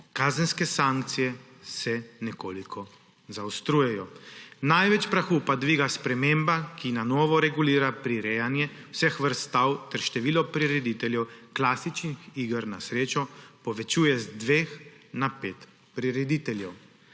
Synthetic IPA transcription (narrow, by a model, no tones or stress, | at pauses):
kaːzənskɛsaŋk̚t̪sijɛ | sɛnɛkoːlikʰɔ | zawst̪ɾuːjɛjɔnajʋɛt͡ʃpɾaxuːpad̪ʋiːɡaspɾɛmeːmbakinanɔːʋɔɾɛɡuliːɾapɾiɾɛjanjɛ | wsɛxʋəɾst̪awt̪ɛɾʃt̪ɛʋiːlɔpɾiɾɛd̪it̪ɛljɛwklasit͡ʃnixiːɡəɾnasɾeːt͡ʃɔpɔʋɛt͡ʃuːjɛzd̪ʋeːxnapeːt̪ | pɾiɾɛd̪it̪ɛljɛw